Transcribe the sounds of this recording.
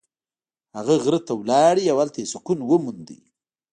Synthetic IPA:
haɣaɣɾət̪awlɑɽiawalt̪aesʊkunwəmund̪ḭ

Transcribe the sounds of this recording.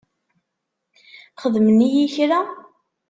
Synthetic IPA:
χəðmənijiçɾa

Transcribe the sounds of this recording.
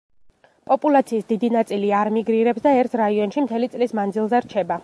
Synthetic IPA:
pʼɔpʼulˠat̪sʰiːsd̪id̪inat̪sʼiliaɾmiɡɾiɾɛpsd̪aɛɾt̪ʰɾaiɔnʃimt̪ʰɛlit̪sʼlismand̪zilˠzɛɾt͡ʃʰɛba

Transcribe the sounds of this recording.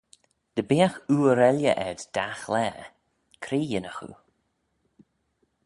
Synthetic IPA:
d̪̥əbiːaxuːəɾɛljə̰ʔɛd̪d̪̥axlɛː | kʰɾiːjɪnəxṵ

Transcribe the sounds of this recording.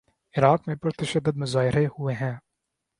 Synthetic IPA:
ɪɾaːqmẽpɐɾt̪ɐʃəd̪ːəd̪̚mɐzaːɪɾehueɦɛ̃ː

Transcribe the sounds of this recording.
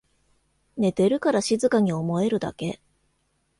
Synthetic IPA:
ne̞t̪e̞ɾɯ̟kaɾaɕizɨkaɲ̟io̞mo̞e̞ɾɯ̟d̪a̰ke̞

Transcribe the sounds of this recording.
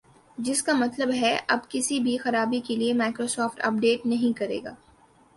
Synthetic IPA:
d͡ʒɪskamɐt̪ləbɦɛʔɐbkɪsibʱixɐɾaːbikeliemaːkɾosɔːfʈɐ̰p̚ɖeːʈnɐɦĩkɐɾḛːɡa̰ː

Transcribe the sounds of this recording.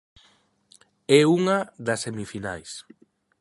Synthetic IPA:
ɛuŋɐðɐsemifinajs

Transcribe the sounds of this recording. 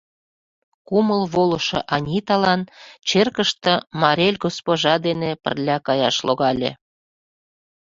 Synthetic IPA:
kuməlβolɤʃɤ̰̆ʔɑnʲit̪ɑlɑnt͡ɕerkəʃt̪ə̆mɑɾʲelʲɡospoʒɑd̪enepə̰rlʲɑkɑjɑʃloɣɑlʲḛ

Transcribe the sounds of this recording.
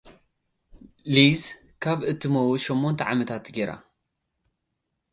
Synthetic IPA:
liz | kʰaβɨt̪ʰːɨmɐwuʃomːont̪ʰɐʕamɐt̪ʰat̪ɡeɾa̰

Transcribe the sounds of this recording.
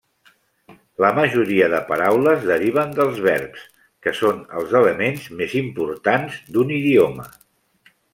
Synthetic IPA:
ləməʒuɾiəðəpəɾawləzðəɾiβ̞ənd̪əlˠzβɛɾps | kəsonə̰lˠzələmenzmezimpuɾt̪anzd̪uniðiomə̰

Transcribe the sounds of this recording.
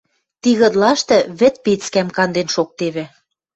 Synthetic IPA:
t̪iɣɤ̆d̪lɑʃt̪ɤ̆βɘ̆t̪̚pet͡skæmkɑnd̪enʃok̚t̪eβĕ

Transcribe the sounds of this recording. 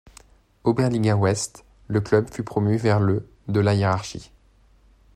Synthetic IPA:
obɛʁliɡawɛst̪ | ləklœbfypχɔmyvɛʁlø | d̪əlajeʁaʁʃḭ

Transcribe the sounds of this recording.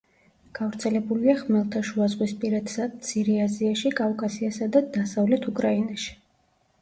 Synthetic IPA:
ɡ̥avɾt̪sʰɛlɛbuliaχmɛlˠt̪ʰaʃuazʁwispʼiɾad̪sat̪sʰiɾɛaziaʃikʼavkʼasiasad̪ad̪asavlɛt̪ʰukʼɾainaʃi̥

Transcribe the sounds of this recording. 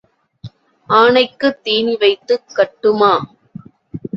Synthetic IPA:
ʔaːɳɐɪkːɯt̪ːiːnɪʋɐɪt̪ːɯkːɐʈːɯmaː

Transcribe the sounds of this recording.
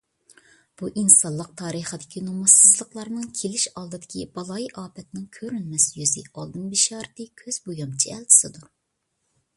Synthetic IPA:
b̥uʔinsɑlˠːəq̚t̪ʰɑːɾəχəd̪ɪkʲinumɑsːɨzlˠəqlˠɑɾnɨŋkʲʰelɪʃɑlˠd̪ɨd̪ɪkʲibɑlˠɑjʔɑːpɛt̪nɪŋkʲʰøɾynmɛsjyzɪ̰ɑlˠd̪ɨnbiʃɑːɾt̪ɨkʲʰøz̥bojɑmt͡ʃʰiɛlˠt̪ʰɪ̥sɨd̪u

